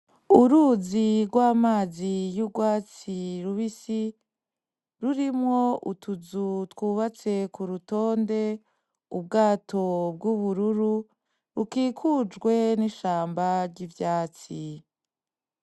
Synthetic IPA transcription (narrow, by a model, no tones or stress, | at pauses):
uɾuziɾɡwaːmaːzijuɡwaːt͡siɾuβisi | ɾuɾimŋo̞ʔutʰuzutwuːβat͡se̞kuɾuto̞ːnde̞ | ub̚ɡaːtʰo̞b̚ɡuβuɾuɾu | ɾukiːkʰud͡ʒɡwe̞niʃaːmbaɾɟivjaːt͡si